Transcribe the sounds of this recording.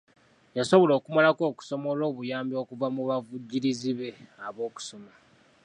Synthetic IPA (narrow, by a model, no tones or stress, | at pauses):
jaso̞βo̞lo̞ːkumalako̞ːku̥so̞mo̞lo̞ːβujaːmbio̞ːkuvamuβavuɟːiɾiziβe̞aβo̞ːku̥so̞ma